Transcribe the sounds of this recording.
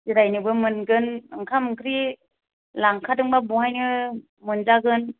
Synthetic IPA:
ziɾajnɯbɯmɯnɡɯnɯŋkʰamɯŋkʰɾi | laŋkʰadɯŋbabuhajnɯ | mɯnzaɡɯn

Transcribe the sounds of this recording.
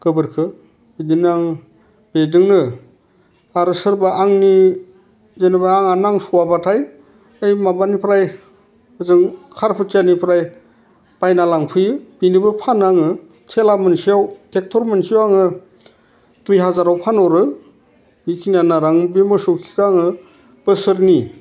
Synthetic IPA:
kɯbɯɾkʰɯ | bidinaŋ | bedɯŋnɯ | aɾɯsɯɾbaʔaŋni | zenɯbaːŋanaŋsuwabatʰaj | ejmabanipʰɾaj | ɯzɯŋkʰaɾpʰɯt͡ʃanipʰɾaj | pajnalaŋpʰɯjɯbinibɯpʰanaŋɯ | tʰelamɯnsiawtek̚tʰɔɾmensijawaŋɯ | tujɦazaɾawpʰanɔɾɯ | mikʰinanaɾaŋbimɯsɯwkʰi̥kaŋɯ | b̥ɯsɯɾni

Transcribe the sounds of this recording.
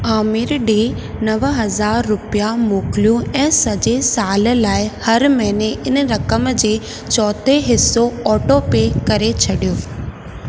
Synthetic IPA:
aːmɪɾɗeː | nɐʋɦɐzaːɾːʊpijamoːkɪlijũɛ̃ːsɐd͡ʑesaːl̆laːɪhɐɾmɐɦɪneʔɪnɾɐkəmd͡ʑeː | t͡ɕɔːt̪ʰeɦɪsːoɔːʈopeːkɐɾet͡ɕʰɐɗijoː

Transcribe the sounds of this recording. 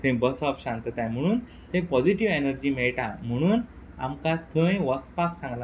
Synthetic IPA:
t̪ʰə̃jbəsɔfɕant̪ət̪ajm̤əɽ̃uːn | t̪ẽpɔd͡ʑiʈiʋenəɾd͡ʑiːmɛɭʈãm̤əɽ̃uːn | a̰mkat̪ʰə̃jʋɔspaksãŋɡla

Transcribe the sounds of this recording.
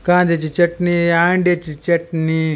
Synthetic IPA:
kãːnd̪et͡ʃit͡ʃɐʈniaːɳɖet͡ʃit͡ʃɐʈni

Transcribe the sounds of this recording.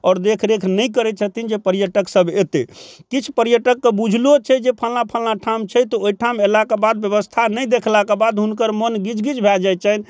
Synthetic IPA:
ɔːɾd̪ekʰɾekʰnəjkəɾɛt͡ʃʰət̪ind͡ʒepəɾjəʈəksəbʱet̪ḛkit͡ʃʰu̥pəɾjəʈəkːebud͡ʒʱlot͡ʃʰɛd͡ʒepʰəlnapʰəlnaʈʰamt͡ʃʰɛt̪ɔoiʈʰamelakebad̪̚bjəβəst̪ʰanəjd̪ekʰlakebad̪ɦunkəɾmənɡid͡ʒɡid͡ʒbʱɛld͡ʒat͡ʃʰən

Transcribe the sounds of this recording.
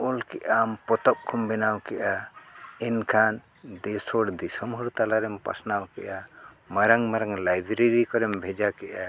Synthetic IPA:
ulkɛʔampɔt̪ɔp̚kʰumbɛnawkɛʔaɛnkʰan | d̪ɛsɔɽd̪isɔmɦuɾt̪alaɾɛmpa̰snawkɛ̰ʔa | məɾaŋməɾaŋlajbɾeɾikɔɾɛmbʱɛd͡ʒakɛʔa

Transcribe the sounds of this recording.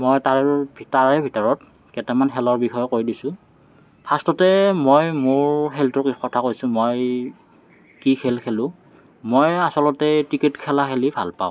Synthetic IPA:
mojtaɹɛbʱitaɹɛbʱitɔɹɔt̚ | kɛtɛmanɦɛlɔɹbixɔjɔkoɹidisʊ̃ | pʰastɔtɛmojmʊɹɦɛltʊkxɔtʰakojsʊ̃moj | kikʰelkʰelʊ̃ | mojasɔlɔtɛtiketkʰɛlaxelibʱa̰lpa̰ʊ̃

